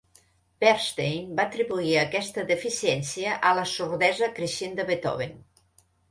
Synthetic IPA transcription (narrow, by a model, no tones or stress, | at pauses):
b̥ɛɾst̪ejmbaːt̪ɾiβuiəkɛst̪əðəfisjɛnsiəʔələsuɾðɛzəkɾeʃend̪əβet̪ɔ̰βen